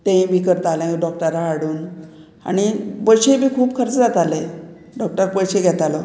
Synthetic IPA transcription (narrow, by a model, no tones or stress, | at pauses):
t̪ẽĩbikəɾt̪alãiɖɔk̚ʈaɾaaɽuːn | a̰ɽ̃ipəjɕebiːkʰuːbkʰəɾt͡səd͡zat̪ale | ɖɔk̚ʈəɾpəjɕeɡʱɛt̪alɔ